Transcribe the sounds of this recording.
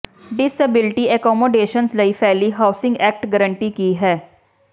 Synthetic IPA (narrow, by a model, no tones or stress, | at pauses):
ɖɪsəbɪlʈiɛkɔːmoːɖeːʃənslɐifʰɛːliɦaːʊsɪ̃ŋɡɛːk̚ʈɡəɾə̃ɳʈikiɦɛː